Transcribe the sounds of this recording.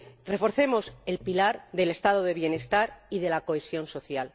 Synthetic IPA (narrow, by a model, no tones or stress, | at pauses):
re̞fo̞ɾθe̞mo̞se̞lpilaɾðe̞le̞st̪að̞oðe̞βje̞ne̞st̪aɾiðe̞lako̞esjo̞nso̞θjal